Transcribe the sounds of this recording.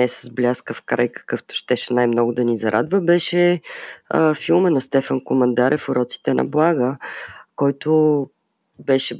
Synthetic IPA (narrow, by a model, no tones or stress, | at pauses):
ɛsəzblʲaskəfkɾa̰jkə̥kɤft̪ʊ̥ʃt̪ɛʃɛnajmnɔɡʊd̪ɐnizɐɾʔa̰d̪vəbɛʃɛ | əfilˠmənɐst̪ɛfənkomɐnd̪aɾʔɛfʊɾɔt̪si̥t̪ɛnʔɐ̰blˠaɡəkɔjt̪ʊ | bɛʃɛ